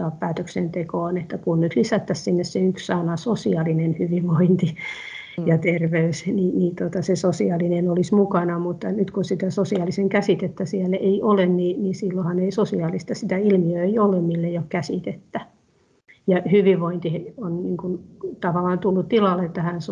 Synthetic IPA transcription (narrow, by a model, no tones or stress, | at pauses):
ɑːppæːt̪øksent̪ekoːnet̪ːækunnyt̪lisæt̪ːæssinːesseykssɑnɑsosiɑlinenhyʋiʋʋoint̪i | jɑt̪erʋeysniniːt̪ot̪ɑsesosiɑlinenolismukɑnɑmut̪ːɑnyt̪kunsit̪æsosiɑliseŋkæsit̪et̪ːæsiɛleiʔolenninisilːohɑneisosiɑlist̪ɑsit̪æilmiøeiolemmilːejokkæsit̪et̪ːæ | jɑhyʋiʋʋoint̪ionniːŋkunt̪ɑʋɑlːˑɑnt̪ulːut̪t̪ilɑlːet̪ːæhæns